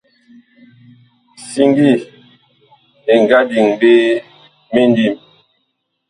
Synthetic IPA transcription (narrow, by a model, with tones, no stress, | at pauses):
si˦ŋɡi˦˨ | e˨ŋ˨ɡa˦di˨ŋbe˦ | me˦ndi˦˨m